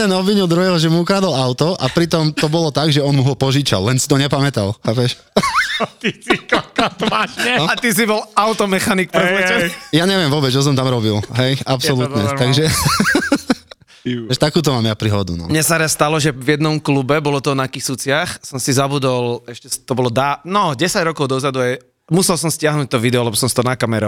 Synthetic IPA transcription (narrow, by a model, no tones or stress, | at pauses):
t̪ɛnɔbʋiɲuld̪ɾɔjɛlʒɛmuukɾaːd̪alaʊt̪ɔʔapɾit̪ɔmt̪ɔbɔlɔt̪aɡʒɛɔnmuɦɔpɔʒiːt͡ʃa̰lɛnsi̥t̪ɔɲɛpamɛt̪alapɛʃ | t̪isikɔkat̪maʃɲɛat̪is̬ibɔlaʊt̪ɔmɛxanik̚pɾɛzmɛɛjaɲɛʋɪɛmʋʊɔːbɛd͡zt͡ʃɔs̬ɔmt̪amɾɔbilɦɛjapɔlutt̪ɲɛt̪aɡʒɛ | ʃt̪akuːt̪̬ɔmaːmjapɾiɦɔd̪ṵnɔ̰mɲɛsaɾasst̪alɔʒɛvjɛd̪nɔmklubɛbɔlɔt̪ɔnakixsut͡sɪaxsɔmsizabud̪ɔlɛʃcɛt̪ɔbɔlɔd̪anɔɟɛsaɟɾɔkɔʊd̪ɔzad̪uaj | musɛlsɔmscɪaɦnuːc̚t̪ɔʋid̪ɛɔlɛbɔsɔmsit̪ɔnakamɛɾɔ